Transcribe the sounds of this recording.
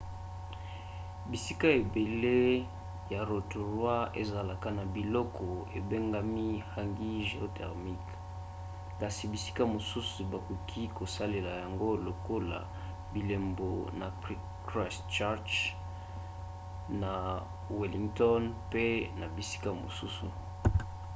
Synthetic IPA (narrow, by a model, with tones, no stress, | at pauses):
bi˨si˦ka˦e˨be˨le˦ | ja˨ʁo˨tu˨ʁwa˦ʔe˨za˨la˨ka˦na˨bi˨lɔ˦kʰɔ˨ḛ˨be˦ŋɡa˦mi˦ha˦ŋɡi˦ʒe˨o˦tɛ̰˨ʁmi˦k | ka˨si˨bi˨si̥˦ka˦mo˨su˦su˨ba˨ku˨kʰi˦ko˨sa˦le˨la˨ja˨ŋɡo˦lo˨ko˦la̰˨ | bi˨le˨mbo˨na˨ | kʁa˦st͡ʃa˦t͡ʃ | na˨ | wi˨li˦ŋtɔ˦npe˦na˨bi˨si̥˦ka˦mo̰˨su˦sṵ˨